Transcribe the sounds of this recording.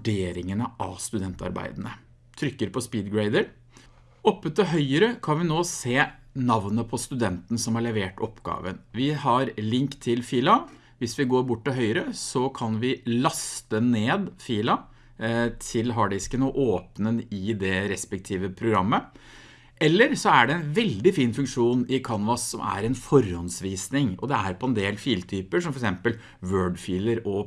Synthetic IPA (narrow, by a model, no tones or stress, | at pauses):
ɖeːɾɪŋənəʔɑ̰st̪ʉd̪ɛnt̪ɑ̰ɾbæ̰ɪd̪nə | t̪ʰɾʏkːəɾpʰɔspiːd̪ɡɹæɪd̪əɾ | ɔpːət̪ɔɦœʏəɾəkʰɑnʋɪnoːseːnɑʋnəpʰɔst̪ʉd̪ɛnt̪n̩sɔmhɑɭɛʋeːʈɔpːɡɑ̰ːʋənʋɪhɑɾlɪŋkt̪ʰɪlfiːlɑ | ʋɪsʋɪɡoːɾbʊʈːɔɦœʏəɾəsɔkʰɑnʋɪlɑst̪əneːd̪fiːlɑ | t̪ʰɪlɦɑɖɛɪkːənoːʔoːpnənɪd̪ɛɾɛspɛk̚t̪ʰiːʋəpʰɾʊɡɾɑmːə | ʔɛlːəɾsɔæɖɛɛnʋɛld̪ɪfiːnfʉŋkʂuːnɪkʰɑnʋɑsːɔmʔæ̰ɾɛnfɔɾhɔnsʋiːsnɪŋɔ̰d̪ɛæɾpʰɔɛnd̪eːlfiːlt̪ʰyːpəʂɔmfɔɾɛksɛmpəl | ʋøːɖfiːləɾɔ